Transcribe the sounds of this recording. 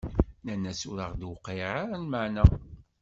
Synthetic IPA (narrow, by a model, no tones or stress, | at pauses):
nænːæsuɾəʁd̪wʊqːeɾaɾanmaʕnæ